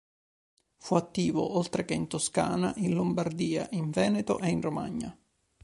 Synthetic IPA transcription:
fuat̪ːiːvo̰ʔolt̪ɾekeint̪oska̰ːnaʔinlombard̪iːa̰ʔiɱvɛːnet̪o̰ʔeinroma̰ɲːa̰

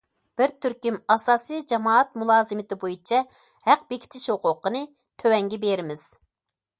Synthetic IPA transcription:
b̥ɪɾt̪ʰyɾkʲimɑsɑːsɨjd͡ʒɑmɑːɑt̪̚mulˠɑːzɨmɪt̪ɪbojit͡ʃʰɛ | hæq̚bekʲʰi̥t̪ʰɪʃhʊqʊqənɨ | t̪ʰøwɛŋɡʲɛbeɾɪmɪz̥

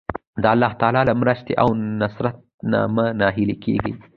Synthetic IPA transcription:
d̪əalːɑht̪ɑlɑləmɾəʃt̪eʔawnasɾat̪̚na̰mənɑɦilikʰḛɡḭ

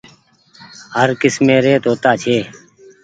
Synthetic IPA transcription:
həɾkɪsmẽːɾeːt̪ɦoːt̪aːt͡ʃʰeː

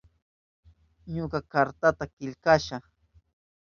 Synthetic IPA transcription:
ɲʊkakaɾt̪at̪akɪʎkaʃaχ

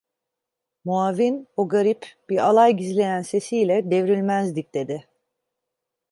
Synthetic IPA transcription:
muavinoɡaɾipb̥iɾalˠajɟizlʲe̞jænse̞sijlʲɛd̪evɾylʲmæzd̪ic̚d̪e̞d̪ɪ

